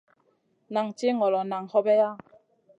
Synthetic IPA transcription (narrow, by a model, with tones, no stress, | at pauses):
na˨ŋt͡ʃi˦ŋɔ˨lɔ˨na˨ŋhɔ˦bɛ˦ja˦